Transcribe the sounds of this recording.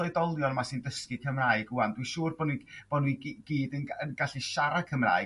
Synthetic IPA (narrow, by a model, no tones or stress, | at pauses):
lˠedɔlˠjɔnmasɨndəskikʰəmraːɨɡuandwiʃuːrbɔnib̥ɔnuiɡ̥iːdənənɡ̥aɬiʃaɾakʰəmra̰ːɨ